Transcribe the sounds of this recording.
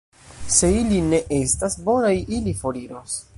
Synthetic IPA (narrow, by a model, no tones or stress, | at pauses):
se̞iline̞ʔe̞stasbo̞najilifo̞ɾiɾos